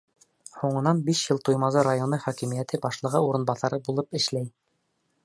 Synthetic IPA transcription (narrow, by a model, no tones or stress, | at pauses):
huɴɤ̆nɑnbiʃjɤlˠt̪ujmɑðɤɾajonɤχɒkimijæt̪ɘbɑʃlˠɤ̆ʁɤuɾɤ̆nbɑθɑɾɤbulˠɤpɘ̆ʃlæj